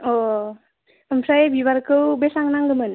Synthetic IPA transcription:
o | əmsajebiβaɾkɯwbesaŋnaŋɡɯmən

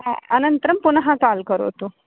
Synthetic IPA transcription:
ənənt̪ɾəmpunɦãkalkəɾo̰t̪o

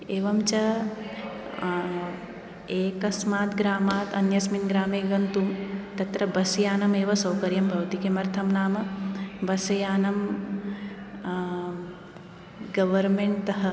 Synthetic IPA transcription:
eːʋɐmt͡ʃɐ | eːkɐsmaːt̪ɡɾaːmaːt̪ɐnjɐsminɡɾaːmeːɡɐnt̪umt̪ɐt̪ɾɐbɐsjaːnɐmeːʋɐsɐwkɐɾjɐmbʱɐʋɐt̪ikeːmɐɾt̪ʰɐmnaːmɐbɐsɐjaːnɐm | ɡɐʋɐɾmeɳʈt̪ɐɦɐ

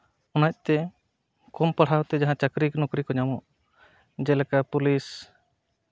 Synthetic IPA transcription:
ɔnac̚ˀt̪ɛ | kɔmpaɽ̤awt̪ɛd͡ʒaɦãt͡ʃakɾiknɔkɾikɔɲamɔʔ | d͡ʒɛlɛkapulis

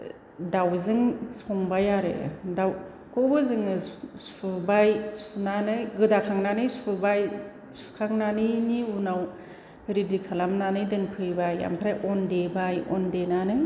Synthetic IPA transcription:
dawzɯŋsʰɔŋbajaɾḛdaw | kɔwbɯzɯŋɯsubajsunanɯjɡɯdakʰaŋnanɯjsubaj | su̥kʰaŋnanɯniunaw | ɾidikʰalamnanɯjdɯnpʰɯjbaja̰mpʰɾajʔɔndebajɔndenanɯj

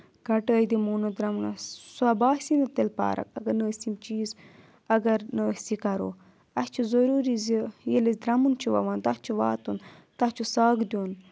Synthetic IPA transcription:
ɡɐʈəːd̪imuːnɐd̪ɾɐmuna̰suɐbaːsinɐt̪elpa̰ːɾɐ̰kɐɡɐnəːsimt͡ʃiːz | ɐɡɐɾnəsikɐɾo̰ | ɐst͡ʃʰizɐɾuːɾizijelɐzd̪ɾɐmunt͡ʃʰiʋɐ̰ʋaːnt̪at͡ʃʰiʋa̰ːt̪unt̪at͡ʃʰusaːɡd̪ʲon

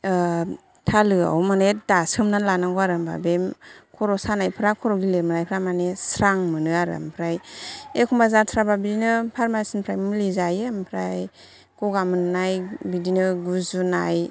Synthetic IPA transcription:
tʰalɯa̰wmanedasɯmnalanaɡɔaɾɯmba̰bemkʰɔɾɔsanajpʰɾakʰɔɾɔɡileɾmɯnajpʰɾamanesɾaŋmɯnɯaɾɯ̰a̰mpʰɾajekʰumbazasʰɾababidinɯpʰaɾmasinpʰɾajmɯlizajeampʰɾaj | kɔɡamɯnɯnajbidinɯɡuzuna̰j

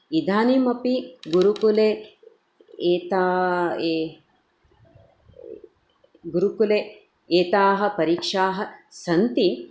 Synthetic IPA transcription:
id̪ʱaːnimɐpiɡuɾukule | t̪aː | ɡuɾukule | eːt̪aːɦɐ̆pɐɾiːkʂaːɦɐ̆sɐnt̪i

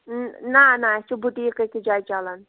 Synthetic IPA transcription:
nanat͡ʃobʱuʈikəkid͡ʒaːjt͡ʃaːlan

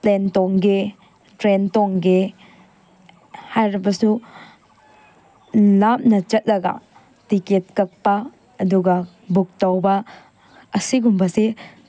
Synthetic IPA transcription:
plentoŋɡe | tɾentoŋɡe | hajɾibɐsu | lap̚nɐt͡ʃɐt̚lɐɡɐ̰ | tiket̚kɐk̚pɐː | duɡɐ | buk̚tawbɐ | ɐsiɡumbɐse

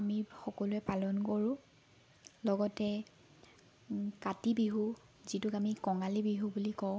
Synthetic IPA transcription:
amixɔkɔluɛpalɔnkoɹʊ̃ | lɔɡɔtɛ | katibiɦu | zitʊkamikɔŋalibiɦubulikɔʊ̃

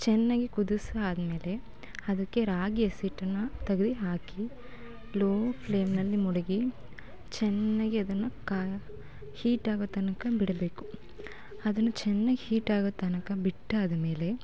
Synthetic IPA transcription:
t͡ʃɛnːaːɡikud̪usɐaːd̪ɐme̞ːle̞ | ɐd̪ɐkːe̞ɾaːɡijɐsiːʈːɐnːɐt̪ɐɡɐd̪iɦaːki | loːpleːmnɐlːimɔɽɐɡi | t͡ʃɛnːaːɡiɐd̪ɐnːɐka | hiːʈaːɡot̪ɐnɐkɐbiɽɐbe̞ːku | ɐd̪ɐnːɐt͡ʃɛnːaːɡihiːʈaːɡot̪ɐnɐkɐbiʈːaːd̪ɐme̞ːle̞

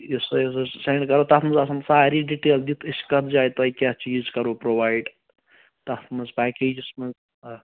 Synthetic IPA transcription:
isoisɐsejɳɖkɐɾoːt̪ɐt̪ʰmɐzɐsɐnsaːɾiɖiʈeːld̪it̪ʰiskɐt̪d͡ʒaːjt̪ɐjkʲat͡ʃiːzkɐɾopɾoːʋaːjɖ | t̪ɐt̪ʰmɐzpaːkeːd͡ʒismɐz

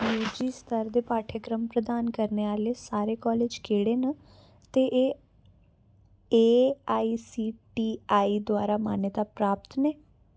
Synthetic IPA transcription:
juːd͡ʒiːst̪ʰəɾd̪eːpaːʈʰəkɾəmpɾəd̪aːnkəɾneːaːleːsaːɾeːkɔːleːd͡ʒkʰeːɽeːna | t̪eːʔeː | eːaːiːsiːʈiːaːiːd̪ʊwaːɾaːmaːnjət̪aːpɾaːpt̪neː

